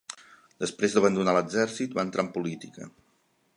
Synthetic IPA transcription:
d̪̥əspɾezd̪əβənd̪unaləɡzɛɾsit̪baənt̪ɾampulit̪ikə̰

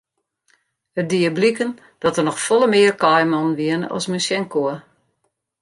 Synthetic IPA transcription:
ədiəblikən | d̥ɔtərnɔxfɔlˠəmɪərkɔjmɔnʋiənəʔɔ̰smysjɛŋkoə

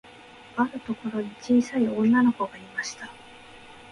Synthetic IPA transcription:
aɾɯ̟t̪o̞ko̞ɾo̞ɲ̟it͡ɕiːsaiõ̞nːano̞ko̞ɡaimaɕi̥t̪a

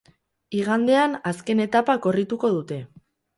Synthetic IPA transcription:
iɣ̞and̪e̞anaske̞ne̞t̪apako̞rit̪uko̞ðut̪e̞

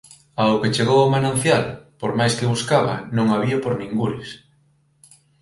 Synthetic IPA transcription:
aoket͡ʃeɣowamanãnθjalpoɾmajskeβuskaβɐ̰nõŋaβiapoɾnĩŋɡuɾɪs

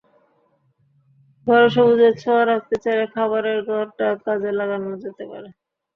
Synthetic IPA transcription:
ɡʱɔɾeʃobud͡ʑeɾt͡ɕʰoaɾak̚t̪et͡ɕaekʰaβaɾeɾɡʱɔɾʈakad͡ʑelaɡanod͡ʑet̪epa̰ɾe

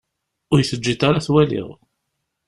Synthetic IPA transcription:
ʊɾjθəd͡ʒːit̪aɾaθwælɪ̰ʁ

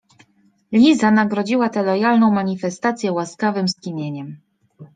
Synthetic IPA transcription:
lʲizanaɡɾɔd͡ʑiwat̪ɛlɔjalnɔ̃w̃maɲifɛst̪at̪sʲjɛwaskavɘmskʲimʲjeɲɛm

